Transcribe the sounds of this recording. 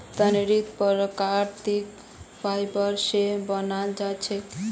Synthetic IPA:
t̪əneɾit̪pɔɾɔkaɾt̪ik | bʰʱajbʌɾsebʌnald͡ʒat͡ʃʰe

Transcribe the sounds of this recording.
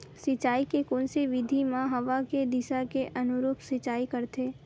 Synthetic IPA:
sɪt͡ʃaːikekoːnseʋɪd̪ʱimãɦɐʋaked̪ɪʃakeʔɐnʊɾuːpsɪt͡ʃaːikəɾt̪ʰeː

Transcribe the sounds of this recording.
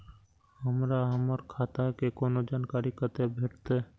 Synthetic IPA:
həmɾaɦəməɾkʰaːt̪akekoːnod͡ʒaːnkaːɾikət̪ebʱeʈt̪e

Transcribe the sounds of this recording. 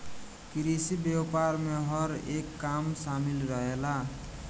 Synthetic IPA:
kiɾisibewpaɾmeɦʌɾekːamsamilɾʌɦela

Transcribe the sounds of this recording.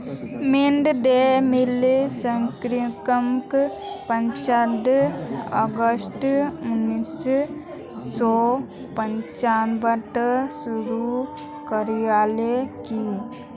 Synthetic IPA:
miɳɖd̪emilsəŋkɾikəmkpɐɲt͡ʃad̪ | ɐ̰ɡəsʈʊnːis | sɔ | pəɲt͡ʃaːnbəʈsuɾu | kəɾijaːleki

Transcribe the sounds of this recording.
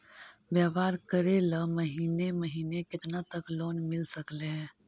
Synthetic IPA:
bjaːʋaːɾkəɾelaməɦiːneməɦiːnekɪt̪nat̪əkloːnmɪlsəkleɦɛ̃ː

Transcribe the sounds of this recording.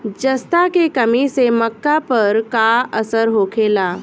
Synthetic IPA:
d͡ʒɐst̪akekɐmiseməkːapɐɾkaəsəɾɦoːkʰeːlaː

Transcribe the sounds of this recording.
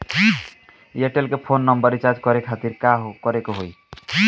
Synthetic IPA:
eʈelkepʰonːʌmbʌɾit͡ʃad͡ʒkʌɾekʰat̪iɾkaɦkʌɾekoɦoj

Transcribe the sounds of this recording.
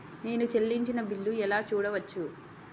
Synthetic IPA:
ne̞ːnut͡ʃe̞lːiɲt͡ʃinɐbilːuɛlaːt͡ʃuːɽɐʋɐt͡ʃːu

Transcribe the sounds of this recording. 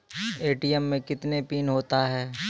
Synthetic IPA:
eːʈijɛmːẽkɪt̪nepiːnɦoːt̪aɦɛː

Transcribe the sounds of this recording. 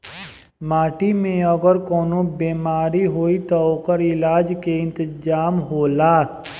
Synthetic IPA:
maːʈimẽəɡəɾkoːnõbeːmaːɾiɦoːit̪ɔoːkəɾɪlaːd͡ʒkeɪ̃nt̪əd͡ʒaːmɦoːlaː

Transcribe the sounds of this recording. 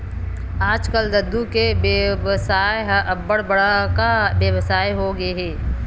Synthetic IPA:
aːd͡ʒkəld̪ɐd̪ukebʋəsaːjɦɐbːəɽbɐɽakabjəʋsaːjɦoɡɐeɦɛː

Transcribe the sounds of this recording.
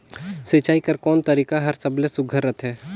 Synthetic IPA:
seːt͡ʃaːikɐɾkɔːnt̪ɐɾiːkaɦɐɾsɐblesʊɡʱəɾːət̪ɦɛː

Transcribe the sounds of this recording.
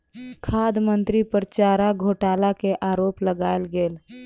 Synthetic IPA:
kʰaːd̪mənt̪ɾipəɾt͡ʃaːɾaɡʱoːʈaːlakeʔaːɾoːpləɡaːelɡeːl

